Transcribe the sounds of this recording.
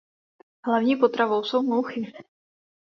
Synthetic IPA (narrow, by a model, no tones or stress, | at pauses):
ɦlavɲiːpot̪ɾavowsownuwxɪ